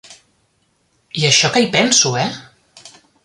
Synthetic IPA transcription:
iəʃɔkəipɛnsuɛ

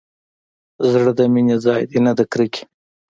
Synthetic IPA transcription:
zɽəd̪ɐminʲezɑːjd̪inad̪ɐkɾikʲi̥

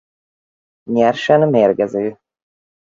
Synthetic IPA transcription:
ɲɛrʃɛnmeːrɡɛzøː

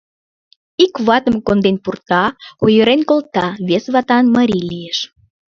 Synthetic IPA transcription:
ikβɑt̪əmkond̪enpurt̪ɑojəɾenkolt̪ɑβesβɑt̪ɑnməɾʲilijeʃ

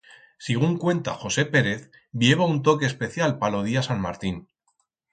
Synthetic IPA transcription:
siɣ̞uŋkwe̞nt̪a̰χo̞se̞pe̞ɾe̞θ | bje̞β̞aunt̪̬o̞ke̞ːspe̞θjalpalo̞ð̞iasanma̰ɾt̪in

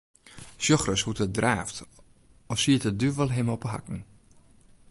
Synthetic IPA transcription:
sjɔxrəshutədraːft | ɔfsiətədyʋɔlˠɦɪmɔpəɦa̰kn̩

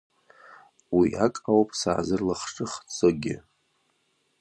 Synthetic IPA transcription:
wia̰kʼawpʼsa̰ːzɨrlaχʈ͡ʂʼɨχt͡sʼoɡʲɪ

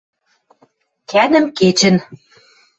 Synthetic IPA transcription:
kænɘ̆mket͡ɕɘ̆n

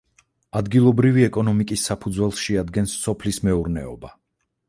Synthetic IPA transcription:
ad̪ɡilˠɔbɾiviɛkʼɔnɔmikʼisːapʰud̪zwɛlˠsʃɛad̪ɡɛnsːɔpʰlismɛuɾnɛ̰ɔba

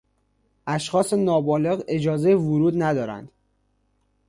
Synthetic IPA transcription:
ʔæʃxɒːsenɒːbɒːle̞ɣe̞d͡ʒɒːzejevʊɾuːd̪næd̪ɒːɾæ̰nd̪̥

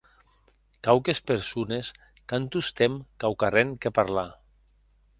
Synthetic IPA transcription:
kawkespeɾsunes | kant̪ust̪emkawkareŋkepaɾla

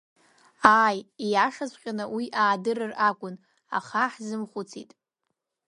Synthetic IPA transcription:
aːjijaʂazʷʼqʲʼanɨwiʔaːdɨrɨrakʷʼʊn | a̰χaħzɨmχʷʊt͡sʰitʼ

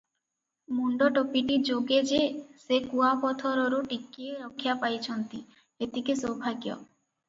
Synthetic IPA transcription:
muɳɖɔʈopiʈid͡ʒoɡed͡ʒesekuapɔt̪ʰɔɾɔɾuʈikieɾɔkʰːjapajt͡ʃʰɔnt̪i | et̪ikesɔwbʱaɡjɔ̰

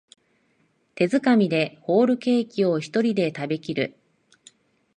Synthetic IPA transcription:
t̪e̞zɨkamʲid̪e̞ho̞ːɾɯ̟ke̞ːkʲio̞çi̥t̪o̞ɾʲid̪e̞t̪abe̞kʲiɾɯ̟

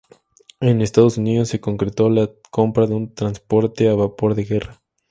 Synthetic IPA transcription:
enest̪að̞osuniðo̞sːe̞ko̞ŋkɾet̪o̞la | ko̞mpɾaðeunt̪ɾanspo̞ɾt̪eaβapo̞ɾðe̞ɣe̞ra

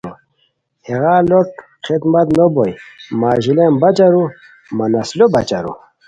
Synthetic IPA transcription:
u | heɣaloʈ̚ | χid̪mɐt̪nobojmaʒilembat͡ʃaɾu | manaslobɐt͡ɕa̰ɾṵ

